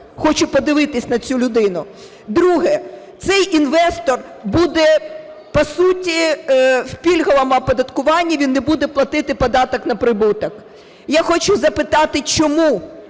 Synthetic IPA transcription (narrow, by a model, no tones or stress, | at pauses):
xɔt͡ʃʊpɔd̪ɪʋɪt̪ɪsʲnɐt͡sʲulʲʊd̪ɪnʊ | d̪ɾuɦɛt̪sɛjʔinʋɛst̪ɔr | bud̪ɛpɔsutʲiwpʲilʲɦɔʋɐmɐpɔd̪ɐt̪kʊʋɑnʲːɐʋʲinːebud̪ɛplˠɐt̪ɪt̪ɪpɔd̪ɑt̪ɔknɐpɾɪbut̪ɐk | jaxɔt͡ʃʊzɐpɪt̪ɑt̪ɪt͡ʃɔmu